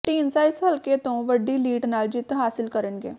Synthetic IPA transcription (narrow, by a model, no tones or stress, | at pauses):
ʈiːnsaːɪsɦəlkeːt̪õːʋəɖːiːliːʈnaːld͡ʒɪt̪ɦaːsɪlkəɾənɡḛː